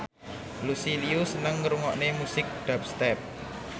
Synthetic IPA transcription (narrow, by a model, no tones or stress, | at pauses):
lusiliusənəŋːɾuŋɔʔnemusɪk̚dɖ̪̥ap̚st̪ɛp̚